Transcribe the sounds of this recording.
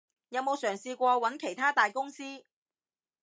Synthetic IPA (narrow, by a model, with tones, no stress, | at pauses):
jɐ˨˧wmo˨˧wsœː˨˩ŋsiː˧kʷɔː˧wɐ˨˥nkʰe˨˩jt̪ʰaː˥t̪aː˨jkʊ˥ŋsiː˥